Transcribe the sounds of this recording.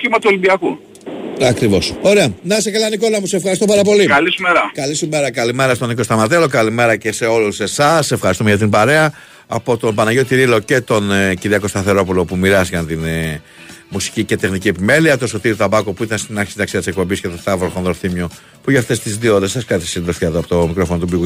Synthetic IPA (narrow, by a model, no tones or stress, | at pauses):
cimɐt̪uolimbiɐku | ɐkɾivo̞soɾeɐnɐsekɐlɐniko̞lɐmusesefxɐɾist̪o̞pɐɾɐpo̞likɐlisumeɾɐkɐlisumeɾɐkɐlime̞ɾɐst̪oniko̞st̪ɐmɐt̪̬elo̞kɐlime̞ɾɐce̞se̞o̞luse̞sɐsefxɐɾist̪umʝɐt̪imbɐɾe̞ɐː | po̞t̪o̞bɐnɐʝot̪iɾilo̞ce̞t̪o̞nciðiɐko̞st̪ɐθe̞ɾo̞pulo̞pumiɾɐszɐnt̪in | musi̥cice̞t̪e̞xnicie̞pime̞liɐt̪o̞so̞t̪iɾit̪ɐbɐkopuit̪ɐnst̪inɐkçsinɐksiɐt̪isk̚po̞mbiscet̪ost̪ɐvɾokonðoɾθimio | puʝɐft̪e̞st̪izðioðesɐskɐt̪isid̪osfçɐðoɐpot̪omikɾo̞fonot̪ubiɣu